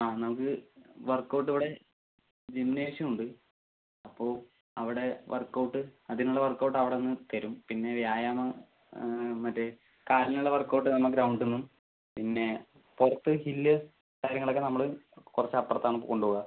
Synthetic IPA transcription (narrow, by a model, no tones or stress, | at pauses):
aːnɐmukːɨʋɐrkːɐwʈːiʋiɽe̞ | d͡ʑemneːʂɐmuɳɖɨ | ɐpːo̞ː | ɐʋiɽe̞ʋɐ̰rkːɐwʈːɨɐðinuɭːɐʋɐrkːɐwʈːɐʋiɽeonːɨt̪ɐɾumpinːe̞ʋjaːjaːmɐ | mɐtːe | kaːɾɐnluɭːɐʋɐrkːoːʈ̬ːɨnɐmːɐkːɾɐwuɳɖunːum | pinːe̞ | porɐt̪ːɨhilːɨ | kaːɾjɐŋːɐɭokːenɐmːɐɭɨkurɐt͡ɕːɐpːɐrɐt̪ːaːɳɨkoɳɖuːɣɐ